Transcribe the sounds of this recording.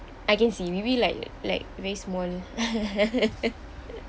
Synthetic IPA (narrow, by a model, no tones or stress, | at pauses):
ajkɛ̃nsiwibilaɪkla̰ɪk̚vɛɹismɔl